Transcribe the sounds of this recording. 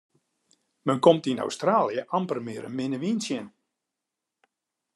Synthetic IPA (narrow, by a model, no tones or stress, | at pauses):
mənkɔmtina̰wstraːljəʔampərmɪəɾə̰mɪnəʋinsjən